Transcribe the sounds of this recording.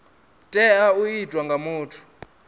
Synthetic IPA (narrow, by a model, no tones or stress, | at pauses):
tʼɛaujidʱʼwaŋɡʱamuːtʰu̥